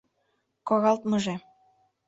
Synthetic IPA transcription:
koɣɑlt̪mɤ̆ʒĕ

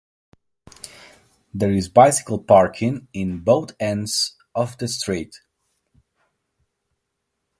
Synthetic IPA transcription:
ðəɹɪzbaɪsɪ̥kəl̩ˠpɑɹkʰɪ̃ŋɪ̃nboʊθɛ̃ndz̥ | ʔɔvðɨstʰɹ̥it

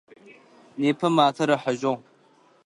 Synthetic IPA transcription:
neːpʰɐmaːtʰɐɾɐħəʒoŋ

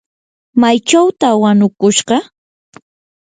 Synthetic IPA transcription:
majt͡ʃawt̪awanʊkʊʃɢɑ

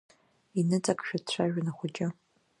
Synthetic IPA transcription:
inɨt͡sʼakʰʼʃᶣadt͡ɕʷʰaʒᶣanaχʷʊt͡ʃʼɪ

